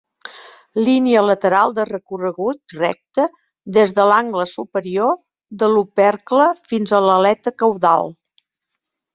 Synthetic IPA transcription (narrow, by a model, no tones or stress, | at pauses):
liniələt̪əɾalˠd̪ərəkurəɣut̪̚rɛ̰k̚t̪ə | ðezðəlaŋɡləsupəɾio | ðəlupɛrkləfinzələlɛt̪əkəwða̰lˠ